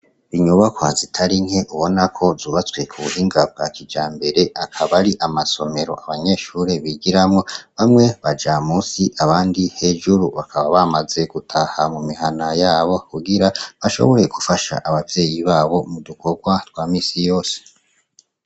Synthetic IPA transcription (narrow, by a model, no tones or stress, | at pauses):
iɲuβakwazitʰaɾiŋhe̞ʔuβo̞nakʰo̞zuːβat͡swe̞kʰuβuhiːŋɡab̚ɡakid͡ʒaːmbe̞ɾe̞ʔakʰaβaɾiʔamaso̞me̞ɾo̞̰ʔaβaɲe̞ːʃuːɾe̞βiɟiɾamŋo̞βamŋe̞βad͡ʒamuːsiʔaβaːndihe̞ːʒuɾuβakʰaβaβamaze̞ɡ̥utʰahamumiɦanajaːβo̞kuɡiɾaβaʃo̞̰βo̞ɾe̞kufaʃa̰ʔaβavje̞ːjiβaːβo̞muduko̞ɡwatwaːmiːsijo̞ːse̥